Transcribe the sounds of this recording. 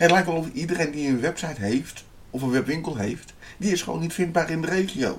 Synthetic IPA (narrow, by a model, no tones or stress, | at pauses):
ətlɛjkʋɛlˠɔfidərejndiənʋɛpsajtɦejft | ɔfənʋɛpʋɪŋkəlˠɦḛjft | d̥iɪsχəʋo̰ːnitfɪnd̚baːrɪndərejχio̰w